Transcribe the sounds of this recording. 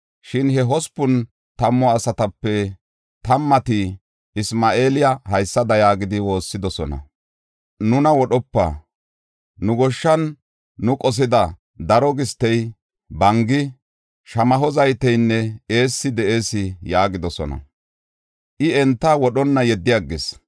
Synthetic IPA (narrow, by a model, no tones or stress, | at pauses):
ʃɪnhɛɦɔspʊn | t̪ɐmːɔɐsɐt̪ɐpːɛ | t̪ɐmːɐt̪ɪ | ɪsmaːʔe̞ːlɪjɐhɐjsːɐd̪ɐjaːɡɪd̪ɪwo̞ːsːɪd̪ɔsɔ̰nɐ̰ | nʊnɐwɔɗɔpːɐ̰ | nʊɡɔʃːɐnː | ʊkʼɔs̬ɪd̪ɐ | d̪ɐɾɔɡɪst̪ːɛj | bɐŋɡɪ | ʃɐmɐɦɔzɐjt̪ɛjnːɛe̞ːsːɪd̪ɛʔeːsɪjaːɡɪd̪ɔsɔ̰nɐ̰ | ʔɪɛnt̪ːɐwɔɗɔnːɐjɛd̪ːɪjɐɡːɪs